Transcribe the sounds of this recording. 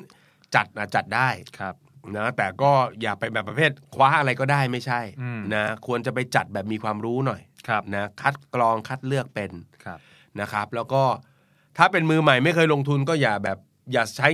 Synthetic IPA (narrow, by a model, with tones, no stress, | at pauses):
t͡ɕa˨˩t̪̚ʔaː˨˩t̪̚t͡ɕa˨˩t̪̚daː˥˩jkʰp̚na˦˥t̪ɛː˨˩kɔː˥˩jaː˨˩k̚pa˧jbɛː˨˩pɾa˧pʰeː˥˩t̪̚kʰwaː˦˥ʔa˧ɾa˧jkɔː˥˩daː˥˩jma˥˩jt͡ɕʰa˥˩jna˦˥kʰu˧ənt͡ɕa˨˩p̬a˧jt͡ɕa˨˩t̪̚bɛː˨˩p̚miː˧kʰwaː˧mɾuː˦˥nɔ˨˩jkʰna˦˥kʰa˦˥t̪̚klɔː˧ŋkʰa˦˥t̪̚lɯ˥˩ək̚pe˧nʰ˥ | na˦˥kʰa˦˥p̚lɛː˦˥wkɔː˥˩ | t̪ʰaː˥˩pe˧nmɯː˧ma˨˩jma˥˩jkʰɤː˧jlo˧ŋt̪ʰu˧nkɔː˥˩jaː˨˩k̚bɛː˨˩p̚ | jaː˨˩t͡ɕʰa˦˥